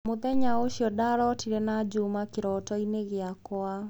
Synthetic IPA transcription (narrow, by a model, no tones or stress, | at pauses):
mʊðɛɲaoʃjɔdaɾɔtiɾɛnad͡ʒumakɪɾɔtɔineɣɪakwa